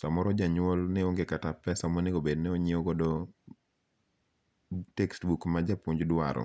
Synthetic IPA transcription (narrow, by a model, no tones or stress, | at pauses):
samɔɾɔd͡ʒaɲʊɔlnɛoŋɡekatapːɛsamɔnɪobednɛoɲioɡɔdo | tekstbukmad͡ʒapuɲd͡ʒdwaɾɔ̰